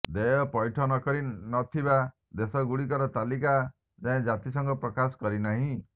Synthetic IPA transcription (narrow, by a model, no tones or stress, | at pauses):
d̪ejɔpɔjʈʰɔnɔkɔɾinɔt̪ʰiba | d̪esɔɡuɽikɔɾɔt̪alika | d͡ʒaẽd͡ʒat̪isɔŋɡɔpɾɔkasɔ̥kɔɾinaɦĩ